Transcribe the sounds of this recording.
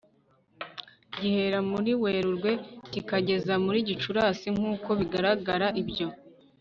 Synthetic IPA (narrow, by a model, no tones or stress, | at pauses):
ɟihe̞ɾamuɾiwe̞ːɾuɾɡwe̞kikaɟe̞zamuɾiːɟit͡ʃuɾaːsiŋ̥uːko̞βiɡaɾaɡaɾaʔibɟo̞